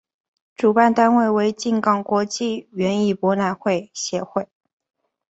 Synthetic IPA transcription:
ʈ͡ʂu˨˩pa˥˩nt̪a˥nwe˥˩ɪwe˧˥ɪt͡ɕi˥˩nkɑ˥˩ŋkwɔ˧˥t͡ɕi˥˩ɥɛ˧˥ni˥˩pwɔ˧˥na˧˥nxwe˥˩ɪɕjɛ˧˥xwe˥˩ɪ

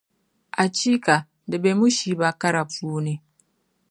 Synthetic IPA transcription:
ʔa˨t͡ʃi˦ka˨ | da˨be˨mu˦ʃiː˨ba˦ka˦ɾa˨ɸuː˦ne˦

